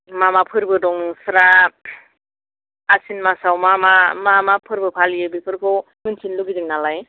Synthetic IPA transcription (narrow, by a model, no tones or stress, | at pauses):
mamapʰɯɾbɯdɔŋsɾa | sinmasawmamamamapʰɯɾbɯpʰalijɯbipʰɯɾkʰɯw | mɯnsʰinluɡidɯŋnalaj